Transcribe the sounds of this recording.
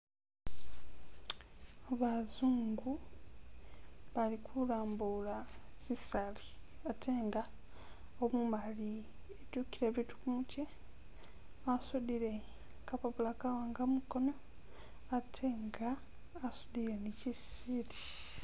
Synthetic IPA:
aβazuːŋɡu | βalikʰulaːmbulaz̥isaliatʰeːŋɡa | omumali | etukiɾeβitu̥kumute | asud̪iɾe̞ | kapaβulakawaːŋɡamuko̞no̞ | atʰeːŋɡaː | sudiɾenicisiɾi̥

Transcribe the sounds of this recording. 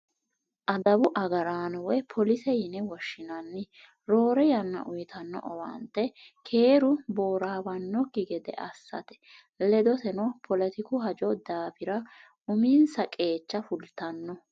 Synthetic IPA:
ʔɐd̪ɐbʊʔɐɡɐɾaːnɔwɛpʰɔlɪsɛjɪnɛwɔʃːɪnɐnːɪ | ɾo̞ːɾɛjɐnːɐ̰ʔʊjt̪ɐnːɔ̰ʔɔwɐ̰nt̪ːɛkʰe̞ːɾʊbo̞ːɾaːbɐnːɔkːɪɡɛd̪ɛ̰ʔɐsːɐ̰t̪ɛ̥ | lɛd̪ɔt̪ɛnɔpʰɔlɛt̪ɪkʊɦɐd͡ʒɔd̪aːfɪɾɐ | ʊmiːnsɐkʼe̞ːt͡ʃːɐfʊlt̪ɐnːɔ

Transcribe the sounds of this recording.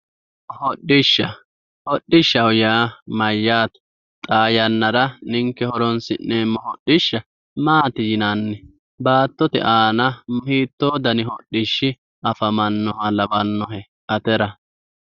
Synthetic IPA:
hɔɗːɪʃːɐ | hɔɗːɪʃːɐwjaːmɐjːaːt̪ɐ̥ | t̪ʼaːjɐnːɐɾɐnɪŋkːɛhɔɾɔnsɪnːemːɔhɔɗːɪʃːɐ | maːt̪ɪjɪnɐnːɛ | baːt̪ːɔt̪ɛ̰ʔaːnɐmʊhiːt̪ːoːd̪ɐnɪɦɔɗːɪʃːɪ | ɐfɐmɐnːɔhɐlɐbɐnːɔhɛ | ʔɐt̪ɛɾɐ

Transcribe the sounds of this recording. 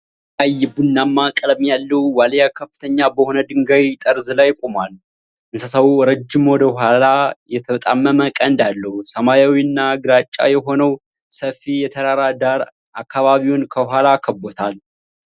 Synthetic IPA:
ajːɪbɨnːamːakʼləmjalːəwwaljakʰəfːɨt̪ʰəɲːabəho̞nəd̪ɨŋɡajt̪ʼəɾzɨlajkʼumal | ʔɨnsəsəwuɾəd͡ʒːɪmwɔd̪əhalajɛt̪ʰəmət̪ʼa̰mːəməkʼənd̪alːəhusəmajawinːaɡɨɾat͡ʃʼːa̰jɛɦo̞nəw | səfijɛt̪ʰəd̪aɾad̪aɾ | ʔakʰːaβaβiwʊnkʰəhʷalakʰəbːot̪ʰal

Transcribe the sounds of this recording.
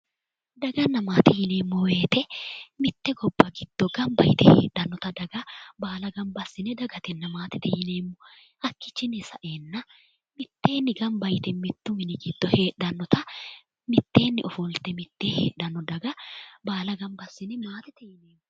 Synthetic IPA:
d̪ɐɡɐnːɐmaːt̪ɛjɪne̞ːmːɔwe̞ːt̪ɛmɪt̪ːɛɡɔbːɐɡɪd̪̥ːɔɡɐmbɐ̰jɪt̪ɛhḛːɗːɐnːɔt̪ɐd̪ɐɡɐbaːlɐɡɐmbɐsːɪnɛd̪ɐɡɐt̪ɛnːɐmaːt̪ɪt̪ɛjɪne̞ːmːɔ | ʔɐkːɪt͡ʃːɪnɛsɐʔe̞ːnːɐ | mɪt̪ːe̞ːnːɪɡɐmbɐjt̪ɛmɪt̪ːʊmɪnɪɡɪd̪̥ːɔheːɗːɐnːɔt̪ɐ | mɪt̪ːe̞ːnːɪɔfɔlt̪ɛmɪt̪ːeːhḛːᶑɐnːɔd̪ɐɡɐbaːlɐɡɐmbɐsːɪnɛmaːt̪ɛt̪ɛjɪneːmːɔ

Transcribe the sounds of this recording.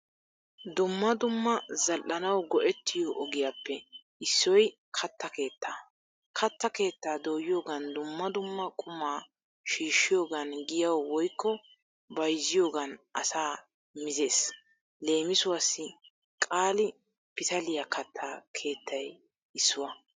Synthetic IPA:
d̪ʊmːɐd̪ʊmːɐzɐlʔɐnɐwɡɔʔɛt̪ʰːɪjoʔɔɡɪjapːɛ | ɪsːɔj | kʰɐt̪ːɐke̞ːt̪ːaː | kʰɐt̪ːɐke̞ːt̪ːaːd̪oːjɪjo̞ːɡɐnd̪ʊmːɐd̪ʊmːɐkʼʊmaː | ʃiːʃːɪjo̞ːɡɐnɡɪjɐwwɔjkːɔ | bɐjzːɪjo̞ːɡɐnʔɐ̰saː | mɪzeːs | le̞ːmɪsʊwaːsːɪ | kʼaːlɪ | pɪt̪ɐlɪjɐkɐt̪ʰːaːkʰe̞ːt̪ʰːɐj | ɪsːʊwɐ

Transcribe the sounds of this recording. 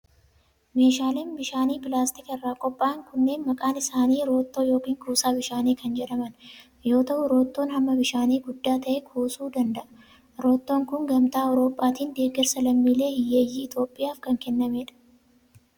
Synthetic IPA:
me̞ːʃaːleːnbɪʃaːniːpɪlaːst̪ɪkɪrːaːkʼɔpʼːaːɐŋkʊnːe̞ːnmɐkʼaːnɪsaːniːɾo̞ːt̪ːo̞ːjo̞ːkiːŋkuːsaːbɪʃaːniːkɐnd͡ʒɛᶑɐmɐn | jo̞ːt̪ɐʔʊɾo̞ːt̪ːo̞ːnhɐmːɐbɪʃaːniːɡʊd̪ːaːt̪ɐʔɛkʰuːsuːd̪ɐnd̪ɐʔɐ | ɾo̞ːt̪ːo̞ːŋkʊŋɡɐmt̪aːɔɾo̞ːpʼːaːt̪iːnd̪e̞ːɡɛɾsɐlɐmːiːle̞ːhɪjːeːjːiːɪt̪o̞ːpʼːɪjaːfkɐŋkɛnːɐmeːᶑɐ̥

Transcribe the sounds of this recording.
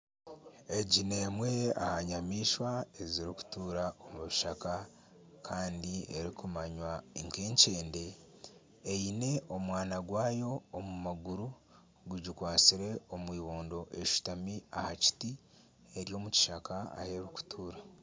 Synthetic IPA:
e̞ɟine̞ːmwe̞a̰haɲamiːʃwaeziɾiku̥tuːɾaomuβiʃaka | kʰaːndie̞ɾikumaɲwaiŋkeːɲce̞ːnde̞ː | ine̞ʔo̞mwaːnaɡwaːjo̞ːmumaɡuɾu | ɡuɟikwaːt͡siɾe̞omwiːβoːndo̞ʔe̞ʃu̥tamiahaci̥ti | e̞ɾjo̞ːmuci̥ʃakaa̰he̞ɾiku̥tʰuːɾa

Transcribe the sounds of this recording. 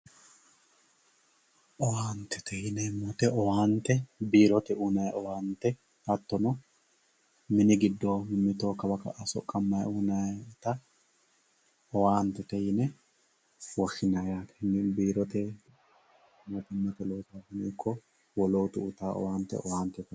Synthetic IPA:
ʔɔwaːnt̪ʰːɛ̥t̪ʰɛjɪnɛmɔt̪ɛɔwaːnt̪ːɛbiːɾɔt̪ɛunɐjʔɔwaːnt̪ːɛ | ɐt̪ːɔnɔ | mɪnɪɡɪd̪ːoːmʊmːɪt̪o̞ːkɐbɐkɐ̰ʔɐsɔ̰kʼːɐmːɐjunat̪ɐ | ɔwaːnt̪ːɛt̪ɛjɪnɛ | wɔxːɪnajaːt̪ɛ̥nbiːɾɔt̪ɛ | mɔt̪ɛmɐt̪ɛloːsasɪnɛɪkʰːɔ | wɔloːt̪ʊʔʊt̪aːʔɔ̰waːnt̪ːɛ̰ɔ̰waːnt̪ːɛt̪ɛ

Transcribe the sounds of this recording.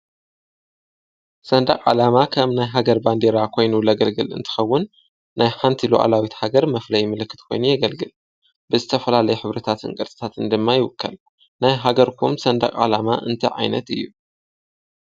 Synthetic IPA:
sɐnd̪akʼʕa̰lamakʰɐmnajɦaɡɐɾband̪eɾakʰo̞jnulɐɡɐlɡɨlɨ̰nt̪ʰɨ̥xɐwːʊnː | ajħant̪ʰiloʔa̰lawit̪haɡɐɾmɐflɐjmɨlɨkːɨ̥t̪kʰo̞jnujɐɡɐlɡɨl | b̥ɨzɨt̪ʰɐfɐlalɐjɛħɨβɾɐt̪ʰat̪ʰɨ̰nkʼɐɾt̪ʼɨ̥t̪ʰat̪ʰɨnd̪ɨmːajɪwʊkʰːɐl | najɦaɡɐɾkʰumsɐnd̪a̰kʼʕa̰lamaʔɨ̰nt̪ʰɐʕa̰jnɐ̰t̪ɨjːu

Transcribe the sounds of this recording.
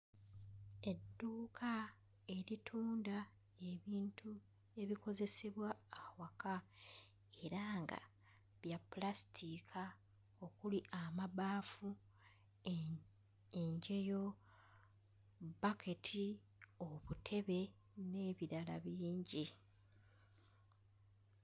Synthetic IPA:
e̞dːuːkʰa | e̞ɾitʰuːnda | eβiːntʰu | e̞βiko̞ze̞seβwaːwaka | e̞ɾaːŋɡa̰ | βjapːulastʰikʰa | o̞kuliʔamaβaːfu | eɲɟe̞jo̞ | bakʰe̞tʰi | oβutʰe̞βe̞ | ne̞ːβiɾalaβiːɲɟi

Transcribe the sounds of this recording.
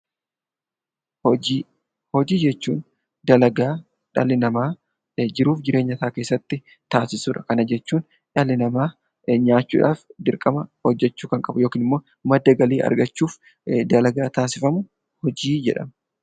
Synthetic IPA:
iː | hɔd͡ʒiːd͡ʒɛt͡ʃːuːn | d̪ɐlɐɡaː | ᶑɐlɪnɐmaː | d͡ʒɪɾuːfd͡ʒɪɾe̞ːɲːɐt̪aːke̞ːsːɐt̪ːɪ | t̪aːsɪsuːᶑɐkɐnɐd͡ʒɛt͡ʃːuːn | ᶑɐlɪnɐmaː | ɲaːt͡ʃːṵːᶑa̰ːfd̪ɪɾkʼɐmɐhɔd͡ʒːɛt͡ʃːuːkɐŋkʼɐbʊjo̞ːkiːnɪmːo̞ː | mɐd̪ːɐɡɐliːɐ̰ɾɡɐt͡ʃːuːf | d̪ɐlɐɡaːt̪aːsɪfɐmʊ | hɔd͡ʒiːd͡ʒɛ̰ᶑɐ̰mɐ

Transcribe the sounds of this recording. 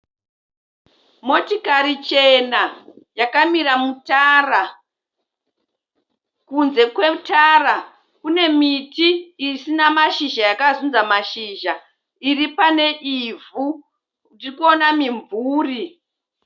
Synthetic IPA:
mo̞tikarit͡ʃe̞najakamiɾamutaːra | kunze̞kwe̞tara | kune̞mitiːsinamaʃiʒajakazund͡zamaʃiːʒa | iripane̞ʔivu | ndirikuonamiɱvʱuːri

